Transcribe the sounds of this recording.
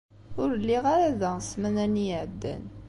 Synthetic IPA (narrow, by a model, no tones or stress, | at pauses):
ʊɾəlːiʁaɾaðæsmænænijəʕəd̪ːæ̰n